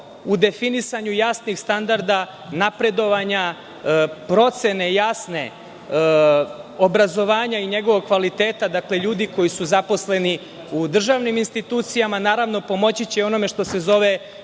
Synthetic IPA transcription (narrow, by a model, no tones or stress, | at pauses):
ud̪e̞finisaɲujaːsnixst̪and̪aɾd̪a | napɾe̞d̪o̞ʋaɲa | pɾo̞t̪se̞ne̞jaːsne̞ | o̞bɾazo̞ʋaːɲaiɲe̞ɡo̞ʋoɡ̚kʋalit̪e̞ːt̪ad̪akle̞ʎuːd̪iko̞jisuzapo̞sle̞ni | ud̪r̩ʒaʋniminst̪it̪uːt̪sijamanaːɾaʋno̞po̞mo̞t͡ɕit͡ɕeo̞no̞me̞ʃt̪o̞se̞zo̞ʋe̞